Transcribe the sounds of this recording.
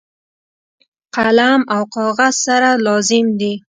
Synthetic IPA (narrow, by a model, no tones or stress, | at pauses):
qalamawqɑɣaz̥saɾalɑzɪmd̪i